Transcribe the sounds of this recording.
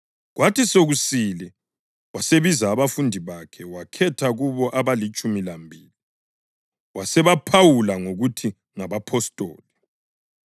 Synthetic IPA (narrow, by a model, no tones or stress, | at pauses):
ɣwatʰisoɣusilɛ | waseβizaːβafundʱiβakʰɛwakʰɛtʰaɣuβɔʔaβalit͡ʃʼumilambʱiːli | wasɛβapʰawulaŋoɣutʰi | ŋaβapʰɔstʼo̰ːli